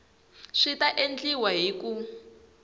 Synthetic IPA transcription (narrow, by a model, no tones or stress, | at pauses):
ʂitaʔend͡ɮiwaɦiku